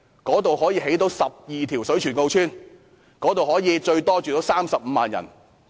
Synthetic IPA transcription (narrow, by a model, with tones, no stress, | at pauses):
kɔː˨˥t̪o˨whɔː˨˥jiː˧ɦe˨˥jt̪̬o˨˥wsɐ˨p̚jiː˨t̪ʰiː˨˩wsɵ˨˥t͡ʃʰyː˨˩nko˧wt͡ʃʰyː˥n | kɔː˨˥t̪̬o˨whɔː˨˥jiː˨˧t͡ʃɵ˧ɥt̪ɔː˥t͡ʃyː˨t̪o˨˥wsaː˥msɐ˨p̚m̩˨˧maː˨njɐ̰˨˩n